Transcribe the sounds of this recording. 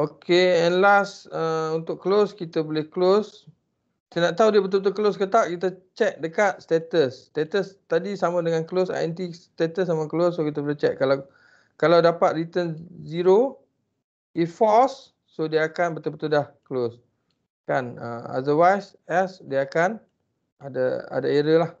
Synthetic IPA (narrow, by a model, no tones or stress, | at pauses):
okeɛnlasəunt̪ʊkːəloskit̪əbolehklos | t̪ənaʔt̪audiəbət̪̬ubət̪̬ukəloskət̪aʔkit̪ət͡ʃɛk̚dəkat̪̚st̪et̪əst̪et̪əst̪adisamədəŋanklosa̰jɛ̰nt̪ist̪et̪əsːamaklosːokit̪əboleht͡ʃɛʔ̚ala | kalawdapat̪̚rit̪ənziɾo | ifɔsː | odiəakanbət̪ubət̪udahkəlos | kanə̰a̰dəwajs | ɛsdiəakan | ada̰a̰daeɾəlah